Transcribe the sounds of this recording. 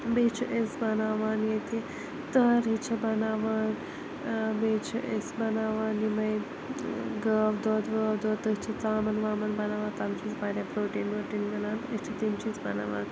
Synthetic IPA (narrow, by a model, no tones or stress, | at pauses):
bet͡ʃʰuʔesbɐnaːʋaːnjet̪i | t̪ɐɾɦit͡ʃʰɐbɐnaːʋaːn | beːt͡ʃʰɐʔesbɐnaːʋaːnjimɐj | ɡəʋd̪oːd̪ʋəʋd̪oːt̪ɐit͡ʃʰɐt͡saːmɐnʋaːmɐnbɐnaːʋaːnt̪ɐːmt͡ʃʰisbaːɾʲapɾoːʈiːnoːʈiːnɡɐlaːnɐt͡ʃʰɐt̪imt͡ʃʰisbɐna̰ːʋa̰ːn